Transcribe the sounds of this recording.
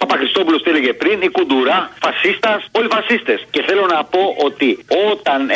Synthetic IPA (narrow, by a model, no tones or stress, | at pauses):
ɐpɐxɾist̪o̞pulost̪eleʝe̞pɾinikud̪uɾɐfɐsist̪ɐso̞lifɐsist̪e̞sce̞θe̞lo̞nɐpo̞ʔo̞t̪io̞t̪ɐn